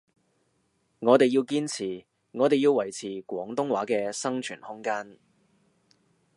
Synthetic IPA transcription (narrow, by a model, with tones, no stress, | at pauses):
ŋɔː˨˧t̪e˨jiː˧wkiː˥nt͡sʰiː˨˩ | ŋɔː˨˧t̪e˨jiː˧wːɐ˨˩jt͡sʰiː˨˩kwʷɔː˨˥ŋt̪ʊ˥ŋwaː˨˥kɛː˧sɐ˥ŋt͡ʃʰyː˨˩nhʊ˥ŋkaː˥n